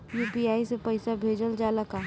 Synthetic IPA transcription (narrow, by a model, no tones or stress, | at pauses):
juːpiaːisepɐɪsabʱeːd͡ʒəld͡ʒaːlɐkaː